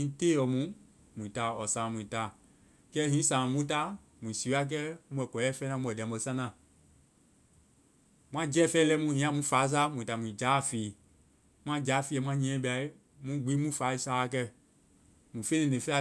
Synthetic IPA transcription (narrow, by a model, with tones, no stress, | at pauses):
ĩ˨˦teː˦jɔ˨mũ˦ | mũ˨ĩ˨taː˨ɔ˨sãː˨mũ˨ĩ˨taː˨ | kɛ˦ɦĩ˨˦sã˨mũ˦ta˧˦ | mũ˨si˨˦a˦k̬ɛ˦u˦˧ɛ˨kɔ˨˦ɛ˦fɛ˦nã˦˧ɛ˨dɛ̃˨˦bo˧˨sã˦nã˨ | m̃ʷã˦d͡ʒɛ˦˨fɛ˦lɛ˦mũ˧˦hĩ˨˦ã˧˦mũ˦faː˨˦s̬aː˦mũ˨ta˨mũ˨d͡ʒaː˨˦˨fiː˨ | m̃ã˦d͡ʒaː˨˦˨fi˦ɛ˧˦mʷ˦ã˦ɲɛ̃˨˦ɛ̃˦bi˨a˧˨i˦ | mũ˨˦ɡ͡bi˨˦mũ˦faː˨˦i˧˦saː˨˦a˨˧k̬ɛ˧ | mũ˨fe˦nĩ˨nẽ˨fe˦a˧